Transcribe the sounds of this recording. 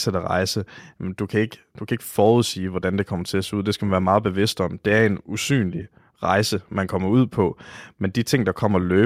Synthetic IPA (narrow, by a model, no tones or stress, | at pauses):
sed̥əʁɑ̈ɪsənd̥ukʰæe̝ɡ̥əd̥ukʰæe̝ɡ̥ə̥fɒːuð̰ˠsḭːʋɒd̥ænd̥e̝kʰɒ̽m̰ɐt͡sʰe̝æse̝ːuð̰ˠd̥e̝sɡ̥æmænʋæːɐmɑ̈ːð̞̩ˠb̥e̝ʋe̝sd̥ɒ̽m̰d̥e̝æɐe̝nusy̰ːnli | ʁɑ̈ɪsəmænkʰɒ̽m̰ɐuð̞̰ˠpʰɒ̽mend̥it͡sʰe̝ŋ̰d̥ɑ̈kʰɒ̽m̰ɐløː